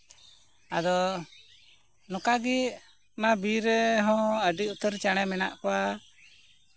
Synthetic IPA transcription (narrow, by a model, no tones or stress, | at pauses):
ad̪ɔ | nɔkaɡi | mabiɾɛɦɔ̃əɖiut̪əɾt͡ʃaɽ̃ɛmɛna̰ʔkɔwa